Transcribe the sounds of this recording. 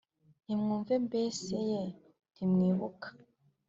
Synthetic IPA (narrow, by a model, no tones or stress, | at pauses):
imŋuːɱvembeːseje | ndimŋiːβukḁ